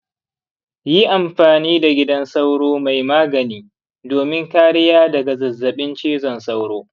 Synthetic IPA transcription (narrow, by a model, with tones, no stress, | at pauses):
ji˦ʔa˨mɸaː˨niː˦da˨ɡʲɪ˦dɐ˦nsa˦wɽoː˦ma˨jmaː˦ɡɐ˨niː˦ | doː˨mɪ˦ŋkaː˦ɽɪ˦jaː˦dɐ˨ɡa˨zɐ˨zːɐ˨ɓɪ˦nt͡ʃiː˦zɔ˨nsa˦wɽoː˦